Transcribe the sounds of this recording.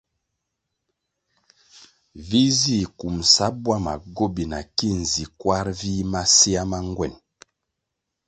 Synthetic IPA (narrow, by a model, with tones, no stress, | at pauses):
vi˦zi˦˨ku˨msa˨˦bwa˦ma̰˨ɡo˦bi˨na˨ki˦n̩˨zi˨kwa˦ɾvi˦ma˦si˦a˦ma˦ŋɡwɛ̰˦˨n